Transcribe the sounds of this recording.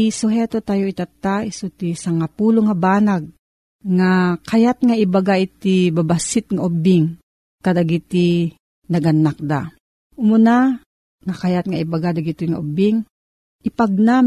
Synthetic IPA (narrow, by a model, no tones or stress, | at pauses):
ʔisʊɦɛt̪ot̪aːjoit̪at̪ːaisut̪isaŋapuːloŋabaːnaɡ̚ | ŋakajat̪̚ŋaibaɡaʔit̪ibabasɪt̪̚ŋaʔobɪŋ | kad̪aɡit̪i | nɐɡɐnːak̚d̪a̰ | ʊmʊna | ŋakajat̪̚ŋaibaɡad̪aɡit̪ɪŋa̰ʔobɪŋ | ʔɪpɐɡ̚na